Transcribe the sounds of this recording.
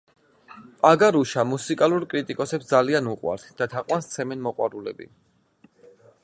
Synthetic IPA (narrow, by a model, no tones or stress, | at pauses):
aɡaɾuʃamusikʼaluɾkʼɾit̪ʼikʼɔsɛpsd̪zalianuqʼwa̰ɾt̪ʰd̪̥at̪ʰaqʼwanst̪sʰɛmɛnmɔqʼwaɾulɛ̰bḭ